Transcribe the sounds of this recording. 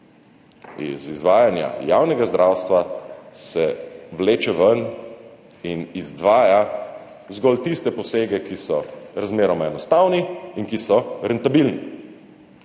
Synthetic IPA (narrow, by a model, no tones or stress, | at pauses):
ḭzizʋaːjanja̰jaːwnɛɡazd̪ɾʔaːwst̪ʋasɛwleːt͡ʃɛʋən | inizd̪ʋaːja | zɡɔlt̪ist̪ɛpɔseːɡɛkisɔɾazmeːɾɔmaɛnɔst̪aːwniinkisɔɾɛnt̪abilni